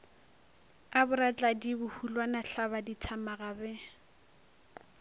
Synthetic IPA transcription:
abʊɾat͡ɬʼadibʊhulwanaɬabaditʰamaɣabɛ

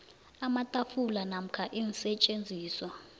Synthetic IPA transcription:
amatʼafulanam̩kʰaʔinisɛt͡ʃʼend͡zʱiːswa

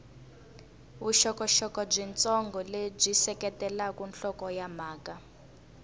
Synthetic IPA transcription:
uʃɔkɔʃɔkɔb͡ʐint͡sɔŋɡɔleb͡ʐisɛkɛtɛlakunɬɔkɔjamaːka

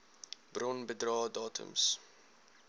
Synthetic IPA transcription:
brɔnbədrɑːdɑːtʰṵms

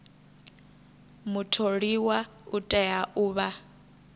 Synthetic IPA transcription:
mutʰoɺiwautʼɛjaʔuːβa

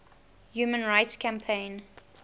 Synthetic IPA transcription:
juːmə̃nɹaɪtskʰãmpʰẽɪ̃n

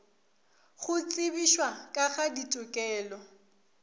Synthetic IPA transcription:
ɣʊt͡sʼɪbiʃwakʼaɣaditʼʊkʼɛːlɔ

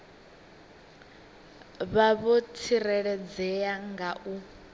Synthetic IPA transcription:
βaβɔtʰirɛɺɛd͡zɛjaŋɡaʔu

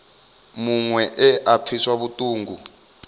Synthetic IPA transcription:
muŋwɛʔɛʔap̪fʰiswaβutʼuːŋɡu

